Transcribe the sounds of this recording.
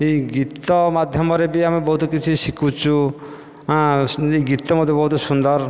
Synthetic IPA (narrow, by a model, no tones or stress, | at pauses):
iɡit̪ɔmad̪ʱjɔmɔɾebiamibɔɦut̪ɔkit͡ʃʰisikʰut͡ʃʰu | ãiɡit̪ɔmɔd̪ʱjebɔɦut̪ɔsund̪ɔɾ